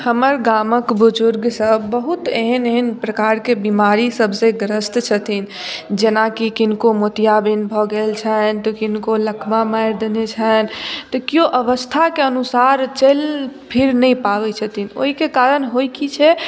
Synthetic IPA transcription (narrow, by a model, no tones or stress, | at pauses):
həməɾɡaməkbud͡ʒʊɾɡsəbːəɦut̪eɦəneɦənpɾəkaɾkebimaɾisəbsẽɡɾəst̪t͡ʃʰət̪ʰin | d͡ʒenakikinkomot̪ijabinbʱɔɡelt͡ʃʰənt̪ɔkinkoləkʰmamajɾd̪enet͡ʃʰənt̪ɔkijoʔəʋəst̪ʰakeənusaɾt͡ʃəlpʰiɾnəjpaʋɛt͡ʃʰət̪ʰino̰ɦikekaɾənɦojkit͡ʃʰɛ